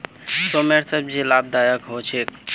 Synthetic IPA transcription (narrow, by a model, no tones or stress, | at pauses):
someɾsəbd͡ʒilab̚d̪ajəkɦot͡ʃʰek